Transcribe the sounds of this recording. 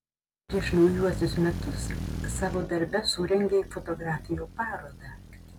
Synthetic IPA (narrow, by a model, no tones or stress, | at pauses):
pʲɾʲiɛʃnɒʊjuɔsʲʊsmʲɛt̪ʊssɑːʋoːd̪ɐɾʲbʲɛsuːɾʲɛŋʲɡʲeifot̪ɔɡɾɑːfʲɪjoːpɑːɾoːd̪ɑ